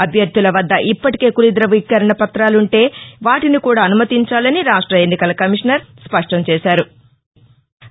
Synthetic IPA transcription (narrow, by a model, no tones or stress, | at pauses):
ɐbʱjɐɾd̪ʱulɐʋɐd̪ːɐʔipːɐʈi̥ke̞ːkulid̪ɾɐʋikːɐɾɐɳɐpɐt̪ɾaːluɳʈe̞ːʋaːʈinikuːɽaːɐnumɐt̪iɲt͡ʃaːlɐniɾaːʂʈɾɐenːikɐlɐkɐmiʂnɐɾspɐʂʈɐmt͡ʃɛːʃaːɾu